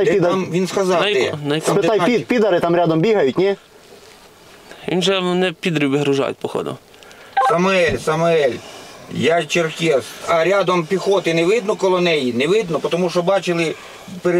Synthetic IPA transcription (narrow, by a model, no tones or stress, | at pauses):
jpid̪mʋʲinskɐzɑnɐj̪ɔbet̪ajpʲipʲid̪ɐɾɪt̪ɑmɾʲad̪ɔmbʲiɦɐjʊtʲnʲɛ | ʋʲḭnʒɛnɛpʲid̪ɾʲubʲiɦɾʊʒa̰jʊ̰t̚ʲpɔxɔ̰d̪ʊ̰ | sɐmʊɛlʲsɐmʊɛlʲjat͡ʃerkʲɛsɐɾʲad̪ɔmpʲixɔt̪ɪnɛʋɪd̪nɔkɔlˠɔnɛjinɛʋɪd̪nɔpɔt̪ɔmuʃɔbɑt͡ʃɪlˠɪ | peɾ